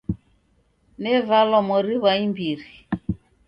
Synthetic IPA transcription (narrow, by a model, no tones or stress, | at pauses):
nɛvalɔmɔɾiβaimbiɾi